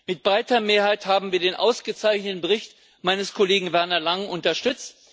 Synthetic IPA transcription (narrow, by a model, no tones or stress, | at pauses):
mɪt̚b̥ʁaɪtɐmeːɐɦhaɪthaːbm̩viːɐdeːnʔa̰ʊsɡ̥ət͡saɪçnətn̩bəʁɪçt | maɪnəskʰɔleːɡŋ̩vɛɐnɐlaŋʔʊntɐʃtʏt͡st